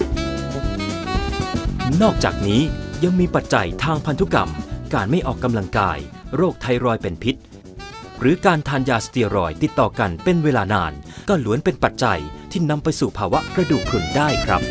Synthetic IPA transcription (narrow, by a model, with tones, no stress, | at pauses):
nɔː˥˩k̚t͡ɕaː˨˩k̚niː˦˥ja˧ŋmiː˧pa˨˩t̪̚t͡ɕa̰˧jt̪ʰaː˧ŋpʰa˧nt̪ʰu˦˥ka̰˧˩mkaː˧nma˥˩jʔɔː˨˩kːa˧mla˧ŋka̰ː˧j | ɾoː˥˩k̚t̪ʰa˧jɾɔː˧jpe˨˧npʰi˦˥t̪̚ | ɾɯː˨˦kaː˧nt̪ʰaː˧njaː˧st̪i˧əɾɔ̰ː˨˩jt̪i˨˩t̪ːɔː˨˩ka˧npe˧nweː˧laː˧na̰ː˧nkɔː˥˩lu˩˦ənpe˧npa˨˩t̪̚t͡ɕa̰˧jt̪ʰiː˥˩na˧mpa˧jsuː˨˩pʰaː˧wa˦˥ʔkɾa˧duː˨˩kʰlu˨˩ndaː˥˩jkʰɾa˦˥p̚